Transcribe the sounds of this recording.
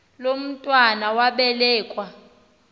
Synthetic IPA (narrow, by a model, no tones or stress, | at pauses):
lom̩tʼwanawaɓɛlɛːkʼwa